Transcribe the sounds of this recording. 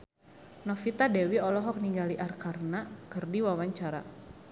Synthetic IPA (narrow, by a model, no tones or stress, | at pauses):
nɔfit̪adɛwiɔlɔɦɔk̚niŋɡaliʔarkarnakərdiwawaɲt͡ʃaɾa